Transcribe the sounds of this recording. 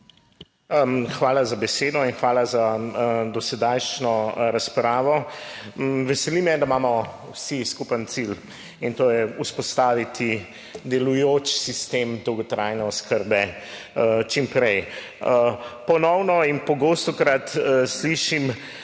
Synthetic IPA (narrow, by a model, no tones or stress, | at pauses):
xʋaːlazabɛseːd̪ɔinxʋaːlazad̪ɔsɛd̪ajʃt͡ʃnɔɾaspɾaːʋɔ | ʋɛsɛlimɛd̪amaːmɔ | wsiskupənt̪sil | int̪oːjɛuspɔst̪aːʋit̪i | d̪ɛlujot͡ʃsist̪emd̪ɔwɡɔt̪ɾaːjnɛɔskəɾbɛ | t͡ʃimpɾɛj | əpɔnɔwnɔinpɔɡoːst̪ɔkɾat̪sliʃim